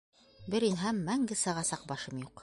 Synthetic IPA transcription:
bɘɾinɦæmːæŋɡɘsɑʁɑsɑq̚bɑʃɤmjuq

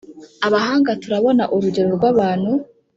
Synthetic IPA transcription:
aβahaːŋɡatuɾaβo̞naʔuɾuɟe̞ɾo̞ɾɡwaβaːn̥hu

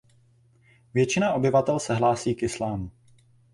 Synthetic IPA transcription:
vjɛt͡ʃɪnaʔo̞bɪvat̪ɛlsɛɦlaːsiːkɪslaːmu

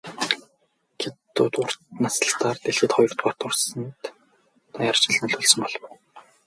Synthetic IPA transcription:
ɡʰet̪ːuːt̪ʊr̥t̪nasə̥̆ɬt̪aːrt̪eɮxɘ̆ːt̪χɔjɞ̆rt̪pɔr̥t̪ʊrsə̆nt̪ | t̪ʰɔjar̥t͡ɕɪ̆ɮnɵ̆ɮɵɮsə̆mpɔɮw

